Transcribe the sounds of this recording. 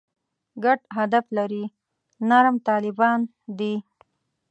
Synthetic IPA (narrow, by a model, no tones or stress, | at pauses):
ɡaʈɦad̪aflaɾi | naɾmt̪ɑlɪbɑn | d̪i